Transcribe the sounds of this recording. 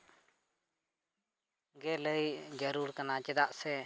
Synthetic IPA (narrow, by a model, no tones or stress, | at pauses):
ɡɛləjd͡ʒəɾuɾkanat͡ʃɛd̪aʔsɛ